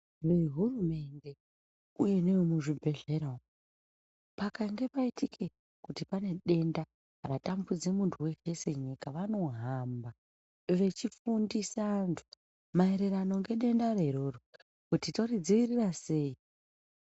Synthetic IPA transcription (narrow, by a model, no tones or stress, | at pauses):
ʋe̞ɦurume̞nde̞ | uje̞ne̞womuʐibʱe̞ɮe̞ɾao | pakaŋɡe̞paitikʰe̞ | kutipane̞ɗe̞nda | ratambud͡zemuntʰuwe̞t͡ʃe̞se̞ɲikaʋano̞ɦamba | ʋe̞t͡ʃifundisantʰu̥ | mae̞ɾe̞ɾano̞ŋɡe̞ɗe̞ndareiɾo̞ro | kutito̞rid͡ziʋirirase̞ːi